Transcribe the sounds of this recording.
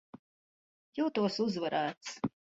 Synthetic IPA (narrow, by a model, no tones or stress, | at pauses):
juːt̪uɔsuzvaɾaːt̪s